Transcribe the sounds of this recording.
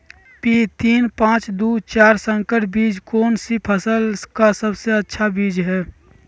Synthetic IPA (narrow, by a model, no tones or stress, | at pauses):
pit̪iːnpãːt͡ʃd̪uːt͡ʃaːɾsə̃ŋkəʈʰbiːd͡ʒkoːnsipʰəsəlkasəbseətːʃʰabiːd͡ʒɦɛː